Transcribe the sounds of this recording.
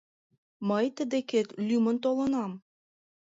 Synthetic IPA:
məjt̪əd̪eket̪lymə̆nt̪olə̆nɑm

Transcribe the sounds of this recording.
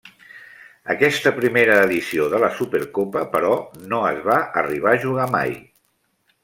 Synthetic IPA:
ə̰kɛst̪əpɾimeɾəːðisioðələsupeɾkopəpəɾɔnoəzβaəriβ̞aʒuɣama̰j

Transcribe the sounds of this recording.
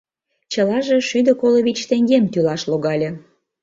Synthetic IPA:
t͡ɕəlɑʒe̽ʃyd̪ə̆koloβit͡ɕt̪eŋɡemt̪ylɑʃloɣɑlʲĕ

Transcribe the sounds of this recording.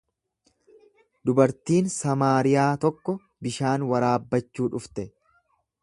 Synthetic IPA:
d̪ʊbɐɾt̪iːnsɐmaːɾɪjaːt̪ɔkːɔ | bɪʃaːnwɐɾaːbːɐt͡ʃːuːᶑʊft̪ɛ

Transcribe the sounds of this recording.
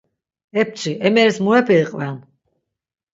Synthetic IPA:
ɛp̚t͡ʃʰʼiʔɛmɛɾɛsmuɛpʰiːqʼvɛn

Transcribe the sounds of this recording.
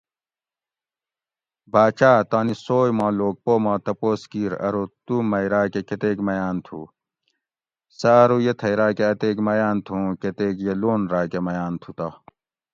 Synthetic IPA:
baːt͡ɕaːt̪aːnisoːjmãːloːɡ̚poːmãːt̪ɐpoːskiːɾɐ̰ɾot̪umɐjɾaːkeket̪eːkmɐjaːnt̪ʰṵː | saːɾujet̪ʰɐjɾaːkeɐt̪eːkmɐjaːnt̪ʰũket̪eːkjeloːnɾaːkemɐjaːnt̪ʰut̪a

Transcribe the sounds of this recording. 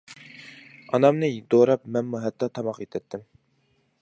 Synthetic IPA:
ɑnɑmnɨd̪oɾɑpmɛnmuɦɛt̪ːɑt̪ʰɑmɑqet̪ʰɛt̪ʰːɪm

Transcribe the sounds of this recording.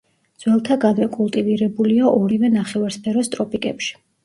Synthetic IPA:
d̪z̥wɛlˠt̪ʰaɡanvɛkʼulˠt̪ʼiviɾɛbuliaʔɔɾivɛnaχɛvaɾspʰɛɾɔst̪ʼɾɔpʰikʼɛpʃi̥

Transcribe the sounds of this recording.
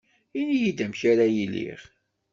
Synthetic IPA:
inijid̪æmçaɾajilḭʁ

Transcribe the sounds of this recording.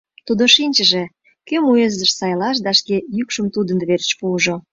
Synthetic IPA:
t̪ud̪oʃinʲt͡ɕəʒĕ | kømuezd̪əʃsɑjlɑʃ̬d̪ɑʃkejykʃəmt̪ud̪ənd̪βert͡ɕpuːʒo

